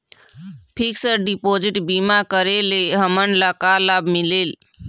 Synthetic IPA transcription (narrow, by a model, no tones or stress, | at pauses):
pʰiksəɾɖipoːd͡ʒiʈbimakəɾeleɦəməɳlakalaːbmileːl